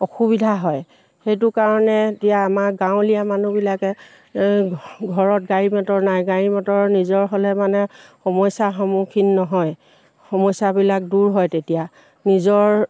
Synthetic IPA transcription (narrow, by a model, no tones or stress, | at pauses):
ɔxubidʱaɦɔj | xejt̬ʊkaɹɔnɛetijaːmaɹɡãʊ̃lijamanubilakɛ | ɡʱɔɹɔt̚ɡaɹimatɔɹnajɡaɹimɔtɔɹnizɔɹɦolɛmanɛxɔmɔjsaxɔmukʰinːɔɦɔj | xɔmɔjsabilak̚duɹɦɔjtetija | nizɔɹ